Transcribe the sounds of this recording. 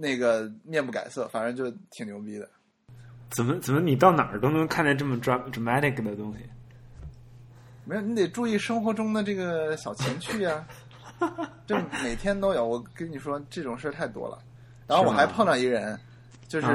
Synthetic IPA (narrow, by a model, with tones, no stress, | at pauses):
na˥˩ɡə˩mjɛ˥˧npu˥˩ka̰˨˩ɪsɤ̰˥˩fa˨˩ə˧˥t͡ɕjo˥˧ʊt̪ʰi˨˩ŋljo˧˥ʊpi˥d̪ə˨ | t͡sə˨˩mə˦t͡sə˨˩mə˦ni˨˩t̪ɑ˥˩ʊna̰˨˩˥t̪ʊ˥ŋnu˧˥ŋkʰa˥˧nt̪a˥˧ɪʈ͡ʂɤ˥˩mə˩ʈ͡ʂɹa˧˥ʈ͡ʂa˧˩ma˥t̪ʰi˥˩kd̪ə˩t̪ʊ˥ŋɕi˨˩ | me˧˥jo˨˧˩ni˧˥t̪e˨˩ɪʈ͡ʂu˥˧i˥˩ʂɤ˥ŋxwɔ˧˥ʈ͡ʂʊ˥ŋd̪ə˨ʈ͡ʂɤ˥˩ɡə˩ɕjɑ˨˩ʊt͡ɕʰjɛ˧˥nt͡ɕʰy˥˩ja˩ | ʈ͡ʂɤ˥˩me˨˩ɪt̪ʰjɛ˥nt̪o˥ʊjo˨˧˩ʊwɔ˨˩kə˥nni˨˩ʂwɔ˥ʈ͡ʂɤ˥˩ʈ͡ʂʊ˨˩ŋʂə˥t̪ʰa˥˩ɪt̪wɔ̰˥lə̰˨ | ɻa˧˥xo˥˩wɔ˨˩xa˧˥ɪ˧pʰɑ˥˧ŋʈ͡ʂɑ˥˩ŋi˧˥ɡə˧ɻə˧˥n | t͡ɕjo˥˧ʊʂɻ̩˥˩